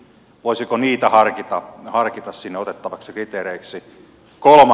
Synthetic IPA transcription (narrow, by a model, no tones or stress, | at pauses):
ʋoisikoniːt̪æhɑrkit̪ɑhɑrkit̪ɑssinːeot̪et̪ːɑʋɑksikrit̪eːreiksi | kolmɑ